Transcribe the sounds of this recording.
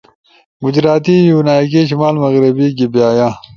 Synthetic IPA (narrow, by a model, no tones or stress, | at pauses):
ɡʊd͡ʑɾaːt̪iːjunaːjk̬eɕimaːlmɐɣɾibiːɡibjaːjaː